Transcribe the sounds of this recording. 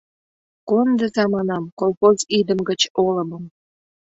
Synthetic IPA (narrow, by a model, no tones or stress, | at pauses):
kond̪əzɑmɑnɑmkolxozid̪əmɡət͡ɕolə̆məm